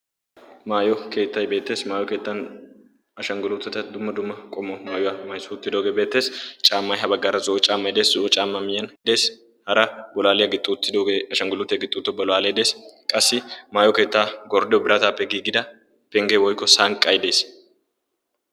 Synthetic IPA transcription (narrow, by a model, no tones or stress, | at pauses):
maːjɔke̞ːt̪ːɐjbeːt̪ːe̞ːsmaːjɔke̞ːt̪ːɐn | ɐʃɐŋɡʊlʊt̪ːɛt̪ɐd̪ʊmːɐd̪ʊmːɐkʼɔmːɔmaːjʊwamɐjsʊʊt̪ːɪd̪oːɡebeːt̪ːe̞ːst͡ʃʼaːmːɐjɦɐbɐɡːaɾɐzʊʔɔt͡ʃʼaːmːɐjd̪e̞ːszʊʔɔt͡ʃʼaːmːɐmɪjɐnd̪e̞ːs | hɐɾɐbɔlaːlɛjɐɡɪt̪ʼːut̪ːɪd̪oːɡeɐʃɐŋɡʊlʊt̪ːɛɡɪt̪ʼːut̪ːɔbɔlaːled̪e̞ːskʼɐsːɪmaːjɔke̞ːt̪ːaːɡɔɾd̪ɛɔbɪɾɐt̪aːpːɛɡiːɡɪd̪ɐ | pɛŋɡewɔjkːɔsaːŋkʼːɐjd̪e̞ːs